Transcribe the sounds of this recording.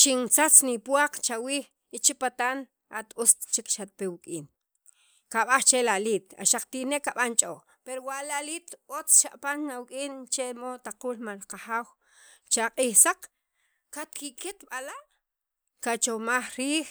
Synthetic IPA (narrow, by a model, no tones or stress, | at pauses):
t͡ʃint͡sat͡snipwaq͡χt͡ʃawiːx | it͡ʃipat̪an | at̪ust̪t͡ʃikʃat̪̚pewikʼiːn | kaɓaχt͡ʃelaliːt̪a̰ʃaq͡χt̪ineʔkːaɓant͡ʃʼo | peɾowaʔlaliːt̪ot͡sʃaʔpanːawkʼiːnt͡ʃemot̪aquːlmalqaxaːw | t͡ʃaqʼiːxsaq͡χ | kat̪̚kiket̪ɓalaʔ | kat͡ʃomaχɾiːx